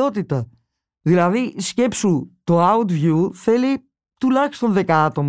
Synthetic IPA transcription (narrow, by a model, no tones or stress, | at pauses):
o̞t̪it̪ɐ | ðilɐðisce̞psut̪oɐut̪vʝuθe̞li | t̪ulɐçi̥st̪o̞nðe̞kɐɐt̪o̞m